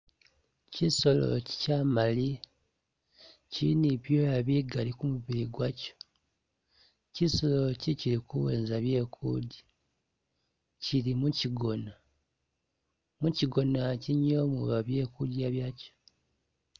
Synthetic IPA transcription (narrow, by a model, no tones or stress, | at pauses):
ciso̞lo̰ci̥camali | cinipjojaβiɡalikumuβiɾiɡwaco̥ | cisolociciɾikuweːnzaβje̞ːkʰṵɟi | cilimuciɡona | muciɡo̞naciɲːo̞ːmuβaβje̞ːkuɟiaβjaːco̥